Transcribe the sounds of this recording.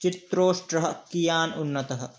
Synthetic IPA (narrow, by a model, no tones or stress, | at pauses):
t͡ʃit̪ɾoːʃʈɾɐɦɐ̆kijaːnunːɐt̪ɐɦɐ̆